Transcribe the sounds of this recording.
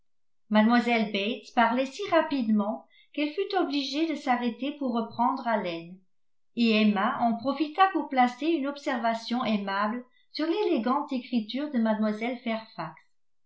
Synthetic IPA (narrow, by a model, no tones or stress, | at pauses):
mad̪mwazɛlbet̪paʁlɛsiʁapid̪mɑ̃ | kɛlfyt̪ɔbliʒed̪əsaʁet̪epuʁːəpχɑ̃d̪ʁalɛn | eɛmaʔɑ̃pχɔfit̪apuʁplaseynɔpsɛʁvasjɔ̃ʔemabl | syʁleleɡɑ̃t̪ekχit̪yːʁd̪əmad̪mwazɛlfɛʁfaks